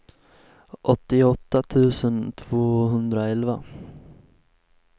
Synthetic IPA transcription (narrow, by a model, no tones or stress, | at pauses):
ʔɔt̪ːɪɔt̪ːat̪ʰʉ̟ːsənt̪ʰv̥oːɦɵnd̪ɾaɛlva